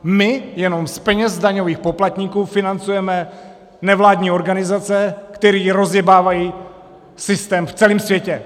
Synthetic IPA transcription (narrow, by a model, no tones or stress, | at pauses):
mɪjɛno̞mspɛɲɛzdaɲo̞viːxpo̞plat̪ɲikuːfɪnant͡sujɛmɛ | nɛvlaːdɲiːo̞ɾɡanɪzat͡sɛkt̪ɛɾiːɾo̞zjɛbaːvajiː | sɪst̪ɛːmft͡sɛliːmsvjɛcɛ